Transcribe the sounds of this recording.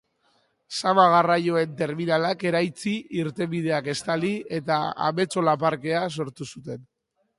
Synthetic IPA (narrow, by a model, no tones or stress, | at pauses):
samaɣ̞arajo̞e̞nt̪e̞ɾminalake̞ɾajt͡siiɾt̪e̞mið̞e̞ake̞st̪alie̞t̪aa̰me̞t͡so̞lapaɾke̞aso̞ɾt̪usut̪e̞n